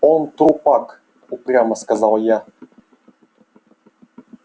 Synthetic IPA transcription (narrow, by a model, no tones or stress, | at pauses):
ɔnt̪ɾupak | upɾʲjamaskazalˠja